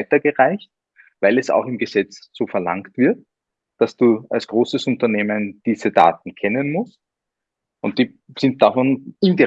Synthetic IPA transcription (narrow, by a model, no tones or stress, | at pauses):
ɪtɐɡəʁaɪçt̚ | vaɪlɛsa̰ʊxɪmɡəz̥ɛt͡sz̥oːfɛɐla̰ŋktv̥ɪɐt̚ | d̥asd̥uːa̰lsɡ̥ʁoːsəsʊntɐneːmənd̥iːzəda̰ːt̚n̩kʰɛnənmʊst | ʊnt̚d̥iː | sɪnt̚d̥afɔnɪndi